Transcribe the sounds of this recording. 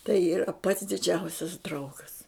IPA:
tɐɪ iːˈrɐ pɐts dʲɪˈd͡ʒʲɛʊsʲɛs ˈdrɐʊɡɐs

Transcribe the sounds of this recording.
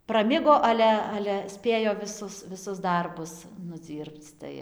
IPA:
prɐˈmʲɪɡoː ˈɑːlʲɛ ˈɑːlʲɛ ˈsʲpʲeːjoː ʋʲɪˈsʊs ʋʲɪˈsʊs ˈdɐrbʊs nʊˈd͡zʲiːrpt͡s ˈtɐɪ

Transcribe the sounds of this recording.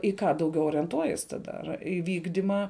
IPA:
ɪ kɑː dɐʊˈɡʲɛʊ oːrʲiɛnˈtuɔjiɛs ˈtɑːdɐ ɐr ɪ ˈʋʲiːɡdʲɪmɐ

